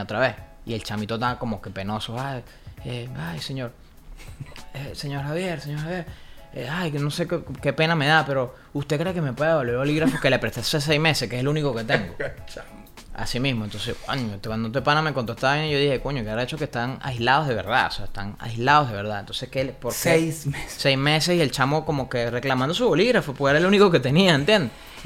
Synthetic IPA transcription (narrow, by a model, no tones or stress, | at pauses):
ot̪ɾaβe̞sḭe̞lt͡ʃamit̪ot̪ako̞mo̞kepe̞no̞soaj | eajse̞ɲo̞ɾ | ese̞ɲo̞ɾxaβjeɾse̞ɲo̞ɾhaβje̞ɾeajno̞se̞kke̞pe̞name̞ðape̞ɾo̞ | ust̪ekɾe̞ːkeme̞pwe̞ðeβolβeɾoliɣɾafoke̞lepɾet̪ases̬ejzme̞sehkeslunikoke̞t̪eŋɡo̞ | a̰simismont̪onseskwa̰ɲot̪kwand̪on̬epanamekond̪oet̪aβaβjeniʝo̞ðihe̞koɲokeaɾaet͡ʃo̞kest̪ana̰jzlaðo̞zðe̞βe̞ɾða̰oseaest̪a̰ŋa̰jzlaðozðe̞βe̞ɾðaðḛnt̪o̞nseskepoɾk | sejzme̞se̞sie̞lt͡ʃamo̞ko̞mokere̞klamãnd̪o̞suβo̞liɣɾafopoeɾaeluniko̞ke̞t̪e̞niaent̪je̞nd̪e